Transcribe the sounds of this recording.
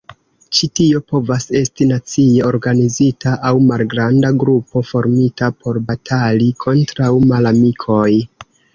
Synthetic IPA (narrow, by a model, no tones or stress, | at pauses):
t͡ʃitio̞po̞vase̞stinat͡sie̞o̞ɾɡanizitaʔawmalɡɾandaɡɾupo̞fo̞ɾmitapo̞ɾbatʰalikʰo̞ntɾawmalamikʰo̞j